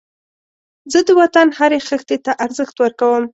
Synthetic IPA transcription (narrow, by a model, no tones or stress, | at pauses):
zəd̪əwat̪anhaɾexəxt̪et̪aʔaɾzəxt̪wəɾkawəm